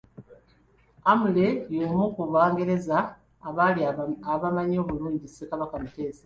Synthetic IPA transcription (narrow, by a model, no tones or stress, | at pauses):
amule̞jomukuβaːŋɡe̞ɾe̞zaː | βaliaβamaɲo̞ːβuluːɲɟise̞kaβakamute̞ːzḁ